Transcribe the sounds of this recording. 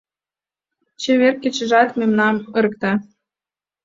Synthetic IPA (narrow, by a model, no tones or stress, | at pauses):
t͡ɕĕβerkʲːĕt͡ɕɘ̆ʒɑt̪memnɑmɤ̆ɾə̆k̚t̪ɑ